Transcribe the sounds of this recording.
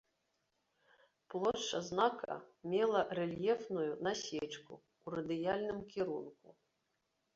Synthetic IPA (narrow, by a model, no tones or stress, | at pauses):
plˠɔʂɐznakʰɐ̰mʲɛlˠɐrɛlʲjɛfnujunasʲɛt͡ʂkṵː | ɾɐd̪ɨjalʲnɨmkʲiɾunku